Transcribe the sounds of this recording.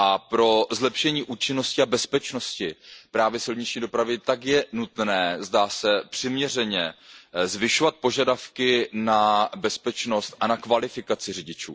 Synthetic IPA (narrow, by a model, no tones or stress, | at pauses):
ʔapɾo̞zlɛpʃɛɲiːʔuːt͡ʃɪno̞scɪabɛspɛt͡ʃno̞scɪpɾaːvjɛsɪlɲɪt͡ʃɲiːdo̞pɾavɪt̪akjɛnut̪nɛːzdaːsɛpr̥ɪmɲɛr̝ɛɲɛzvɪʃovat̪̚po̞ʒadafkɪnabɛspɛt͡ʃno̞st̪ʔanakvalɪfɪkat͡sɪrɪɟɪt͡ʃṵː